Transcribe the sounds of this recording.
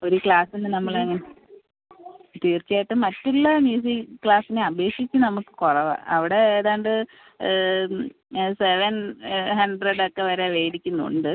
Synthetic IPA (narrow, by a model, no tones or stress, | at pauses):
o̞ɾukɭaːsinːɨnɐmːɐɭeŋːɐne | t̪iːrt͡ɕːijaːjiʈːɨmɐtːuɭːɐmjuːs̬ikkːɭaːsineɐbe̞ːkʂit͡ɕːɨnɐmukːɨ̥korɐʋa̰ɐ̰ʋiɽe̞eːðaːɳɖɨ | seʋɐnhɐɳɖreɖokːe̞ʋɐɾeʋeːɽikʲːunːṵɳɖɨ